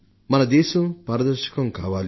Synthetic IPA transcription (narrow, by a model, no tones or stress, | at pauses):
mɐnɐd̪ɛːʃɐmpɐːɾɐd̪ɐɾʃɐ̥kɐmkaːʋaːl